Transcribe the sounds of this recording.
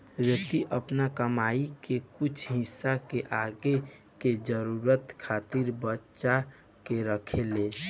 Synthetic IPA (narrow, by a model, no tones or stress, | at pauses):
ɾət̪iʔəpnakəmaikekut͡ʃʰɦɪsːakeʔaɡe | ked͡ʒəɾuɾət̪kʰat̪iɾbətːʃa | keɾəkʰele